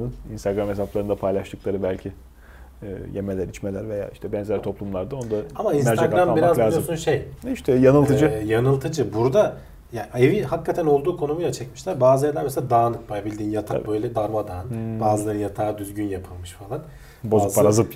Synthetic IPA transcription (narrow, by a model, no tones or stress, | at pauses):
ɯninst̪aɡɾamesaplˠaɾɯnd̪apʰajlˠaʃt̪ʰɯklˠaɾɯbælʲcʰi | ɛːjemelʲæɾit͡ʃmelʲæɾve̞ja̰ːiʃt̪ʰɛbɛnzælʲt̪ʰo̞plˠumlˠaɾd̪ao̞nd̪aamainsæɾd͡ʒ̪aɡaɾamabiɾmazlʲˠaːzjomsunsʃejiʃt̪ʰɛjanɯlˠt̪ʰɯd͡ʒɯjanɯlˠt̪ʰɯd͡ʒɯbuɾd̪a | jaevihakːat̪ʰæno̞lˠd̪uːkʰo̞numujlat͡ʃʰɛcmiʃlʲæɾbaːzaɾlʲæɾmes̬elʲad̪aːnɯkbajabilʲd̪iːnjat̪ʰa̰bø̞jlʲɛd̪aɾmad̪aːnbaːzɯlˠaɾɯjat̪ʰaːd̪yzɟynjapʰɯlˠmɯʃfalˠan | bozpʰːaɾazɯp